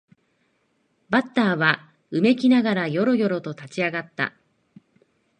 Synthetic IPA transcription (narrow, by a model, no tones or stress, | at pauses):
bat̪ːaːβa | ɯ̟me̞kʲinaɡaɾajo̞ɾo̞jo̞ɾo̞t̪o̞t̪at͡ɕiaɡat̪ːa̰